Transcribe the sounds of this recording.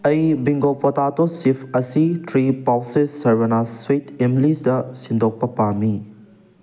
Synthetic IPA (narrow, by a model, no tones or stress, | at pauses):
ɐjbiŋɡopʰɐtatosipʰɐsitʰɾipawsesːɐɾbɐnaswetemlisdɐsindʱok̚pɐpami